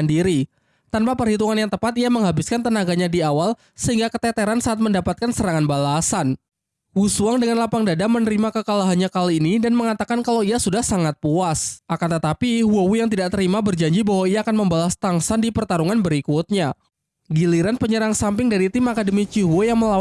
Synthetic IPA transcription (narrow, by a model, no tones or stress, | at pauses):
ndiɾi | t̪anpapərhit̪uŋanjaŋt̪əpat̪iaməŋɦabɪskant̪ənaɡaɲadiawal | səɦiŋɡakət̪ɛt̪eɾansaat̪̚məndapat̪̚kansəɾaŋanbalasan | wusuaŋdəŋanlapaŋdadamənəɾimakəkalaɦanɲakaliːnidanməŋat̪akankalawiasudahsaŋat̪̚puasʔakant̪ət̪apiɦuowujaŋt̪̬idaʔt̪əɾimabərd͡ʒaɲd͡ʒibaɦwaijaːkanməmbalast̪aŋsandipərt̪aɾuŋanbəɾikut̪̚ɲa | ɡiliɾanpəɲəɾaŋsampɪŋdaɾit̪ɪmakadəmit͡ʃiɦwojaŋməla